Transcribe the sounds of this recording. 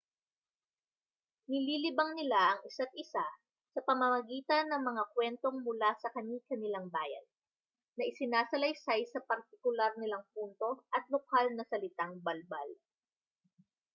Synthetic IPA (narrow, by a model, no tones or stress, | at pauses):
nɪliːlɪbɐŋnɪlaʔɐŋɪsat̪̚ʔɪsa | sɐpɐmɐmɐɡiːt̪ɐnːɐŋmɐŋakwɛnt̪o̞ŋmʊlasɐkɐɲikɐnɪlaŋbaːjɐ̰nː | ɐʔɪsɪnaːsɐlɐjsajsɐpɐɾt̪̚ɪkʊlaɾnɪlaŋp̚unt̪o̞ʔɐt̪̚lokalnɐsɐlɪt̪aŋbɐlbal